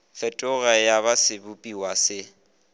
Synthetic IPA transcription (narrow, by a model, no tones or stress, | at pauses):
fɛtʼʊɣajaβasɪbʊpʼiwasɪ